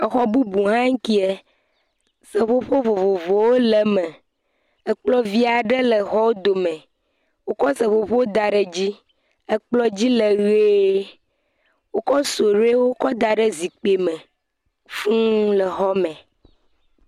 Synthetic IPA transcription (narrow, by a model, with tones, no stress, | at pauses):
ə˨xɔ˦bu˦bu˨ɦã˦ŋ̩˦ki˦e˨ | sə˨ɸo˦ɸo˦vo˨vo˨vo˨wo˦lə˨mə̃˨ | ə˦k͡plɔ˦vi˦a˨ɖə˦lə˨xɔ˦wo˦d̪o˨mẽ˨ | wo˦kɔ˦sə̃˨ɸo˨ɸo˦wo˦d̪a˨ɖə˦d͡ʑi˦ | ə˦k͡plɔ˦d͡ʑi˦lə˨ɣe˦ | wo˦kɔ˦so˨ɾe˦wo˦kɔ˦d̪a˨ɖə˦zi˨k͡pe˨mə̃˨ | fũ˦lə˨xɔ˦mɛ̃˨